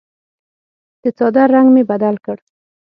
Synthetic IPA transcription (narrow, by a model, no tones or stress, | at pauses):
d̪̥ət͡sɑd̪aɾaŋɡmebad̪alkəɽ